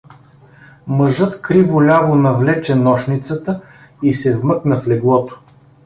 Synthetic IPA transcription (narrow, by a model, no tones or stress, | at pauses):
məʒɤt̪kɾivʊlʲavonɐvlɛt͡ʃɛnɔʃnit̪sət̪ə | isɛvmɤknəflɛɡlˠɔt̪o̥